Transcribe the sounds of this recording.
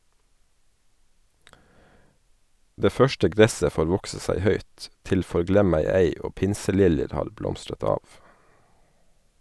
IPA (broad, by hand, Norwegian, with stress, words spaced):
ˈdeː ˈfœʃtə ˈɡɾɛsə ˈfoːɾ ˈʋɔksə ˈsæɪ ˈhœʏt ˈtɪl fɔɾˈɡlɛmæɪeɪ ˈoː ˈpɪnsəˌlɪljəɾ ˈhɑːɾ ˈblɔmstɾət ˈɑːʋ